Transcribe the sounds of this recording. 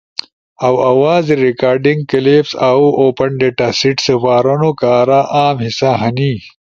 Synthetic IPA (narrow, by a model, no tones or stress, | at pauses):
ɐwɐwaːziɾikaːɾɖiŋɡ̚kɐleːpsaːuʔoːpɐɳɖeʈasiʈsɐfaːɾonokaːɾaʔaːmhisaɦɐni